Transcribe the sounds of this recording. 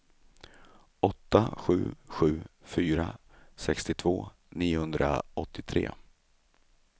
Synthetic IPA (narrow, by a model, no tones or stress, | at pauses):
ɔt̪ːaɧʉ̟̰ːɧʉ̟ːfyːɾa | sɛkst̪ɪt̪ʰvoː | niːʊhɵnd̪ɾa̰ɔt̪ʰːɪt̪ʰɾḛː